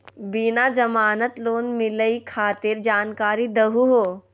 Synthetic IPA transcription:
binad͡ʒɐmaːnət̪loːnmɪləikʰaːt̪ɪɾd͡ʒaːnkaːɾid̪ɐɦuɦoː

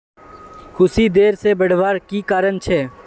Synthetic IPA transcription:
kʰʊsiːd̪eːɾseːbəɽ̤ʋaːɾkiːkaːɾənt͡ʃʰɛː

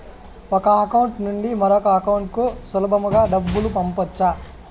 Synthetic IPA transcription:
ɔkɐɐkɐwuɳʈnuɳɖimɐɾɔkɐːkɐwuɳʈ̚kusulɐbɐmuɡaːɖɐbːulupɐmpɐt͡ʃːa

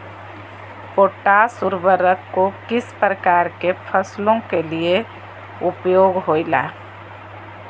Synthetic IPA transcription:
poːʈasʊɾʋəɾəkːokɪspɾəkaːɾkepʰəslõkelie | ʊpjoːɡɦoːila̰ː

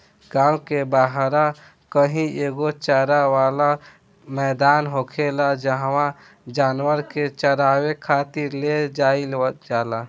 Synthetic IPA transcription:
ɡãːʊkebaɦɾa | kəɦĩeɡot͡ʃəɾawala | mɛːd̪aːnɦokʰelad͡ʒəɦwã | d͡ʒaːnwəɾket͡ʃəɾaːwekʰat̪iɾled͡ʒaid͡ʒala

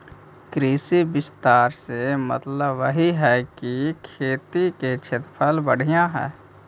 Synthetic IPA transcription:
kɾiːsibɪst̪aːɾsemə̰t̪ləbːəɦiɦɛːkikʰeːt̪iket͡ʃʰet̪pʰəlbəɽ̤ijãɦɛ̰ː

